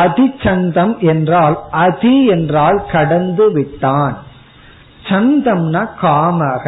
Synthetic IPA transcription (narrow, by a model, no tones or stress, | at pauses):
ɐðɪt͡ʃɐnd̪ɐmʔɛndraːlʔɐðiɛndraːlkɐɽɐnd̪ɯʋɪʈːaːn | t͡ʃɐnd̪ɐmnakaːmɐːɣɐ